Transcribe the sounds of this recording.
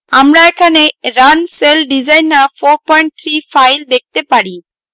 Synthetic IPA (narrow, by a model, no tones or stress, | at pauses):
amɾaekʰaneɾanselɖizajnːafoɾpɔjɳʈ̚t̪ʰɾifajld̪ek̚t̪epaɽi